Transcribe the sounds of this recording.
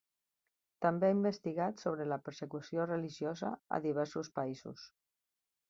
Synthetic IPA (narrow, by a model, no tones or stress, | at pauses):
t̪ambeaimbəst̪iɣat̪soβ̞ɾeləpəɾsəkusiorəliʒjozə̰ə̰ðiβ̞ɛɾsuspaizṵs